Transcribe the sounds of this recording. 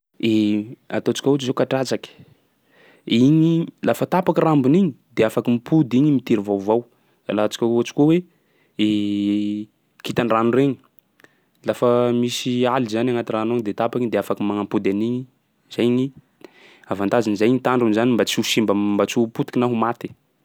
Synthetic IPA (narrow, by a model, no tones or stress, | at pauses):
ea̰t̪ot͡si̥kʲaut͡ʃizewkaʈ͡ʂat͡saki̥ | iɲilafət̪apakirambuniɲid̪eafakimipʰud̪iɲimit̪iɾivawvaw | a̰lat͡si̥kʲaut͡ʃi̥kuwe | e | kit̪anranureɲi̥ | lafəmisializanaŋat̪iranoɲid̪et̪apakiɲd̪eafakimaŋampud̪aniɲi | z̥ajɲi | avant̪azinizajiɲit̪aɳɖ͡ʐunzanimbat͡siusimbəmbat͡suput̪i̥kinaɦumat̪i̥